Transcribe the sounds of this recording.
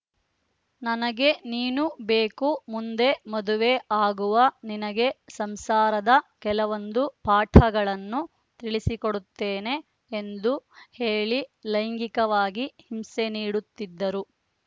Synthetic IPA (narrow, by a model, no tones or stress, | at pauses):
nɐnɐɡe̞niːnubeːkumund̪e̞mɐd̪uʋeʔaːɡuʋɐninɐɡe̞sɐmsaːɾɐd̪ɐkɛlɐʋo̞nd̪upaːʈʰɐɡɐɭɐnːu | t̪iɭisikoɽut̪ːeːne̞ː | nd̪uhe̞ːɭilɐjŋɡikɐʋaːɡihimseniːɽut̪ːid̪ːɐɾu